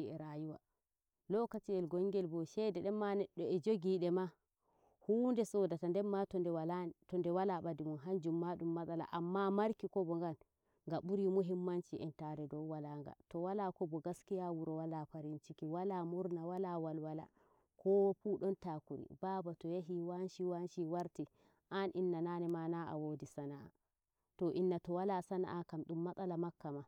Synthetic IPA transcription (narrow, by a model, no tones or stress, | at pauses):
iɛɾajuwa̰ | lɔkatiɛlɡɔŋɡɛlbɔʃɛdɛɗɛːanɛɗːɔɛd͡ʒoɡiɗɛma | huːndɛsɔdatandɛmatɔndɛatɔndɛwalaɓadimunɦaɲd͡ʒumːaɗumːaɗala̰ʔamːamaɾkikɔbɔŋɡan | ŋɡaɓuɾimuɦimːant͡ʃiʔɛntaɾɛdɔwwalaŋɡa̰tɔwalakɔbɔɡaskijawuɾɔwalapaɾint͡ʃikiwalamuɾnawalawalwala̰ | kʰɔwpuɗɔntakuɾḭbaːbatɔjaɦiwanʃiwanʃiwaɾti | ʔanʔinːananɛmanaʔa̰wodisanaʔa̰ | tɔʔinːatɔwalasana̰ʔakamɗumːaɗʼalamakːama